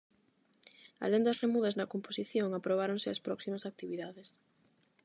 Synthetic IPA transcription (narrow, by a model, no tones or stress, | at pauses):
a̰lend̪ɐsremuðɐznɐkomposiθjoŋapɾoβ̞aɾoŋsɪɐspɾɔksimɐsak̚t̪iβiðaðes